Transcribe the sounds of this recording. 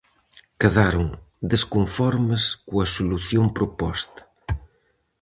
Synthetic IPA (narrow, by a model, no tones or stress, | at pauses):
keðaɾoŋ | d̪eskoɱfɔɾməskuɐsuluθjompɾopɔst̪ɐ̥